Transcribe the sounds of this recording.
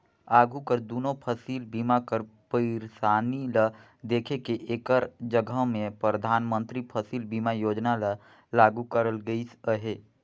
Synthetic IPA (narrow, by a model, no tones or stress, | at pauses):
aːɡʱukəɾd̪uːnopʰəsiːlbiːmakəɾpəɪɾsaːnila | d̪eːkʰekeʔeːkəɾd͡ʒəɡʱəɦmẽpɾəd̪ʱaːnmə̃nt̪ɾipʰəsiːlbiːmajoːd͡ʒnala | laːɡukəɾəlɡəisəɦeː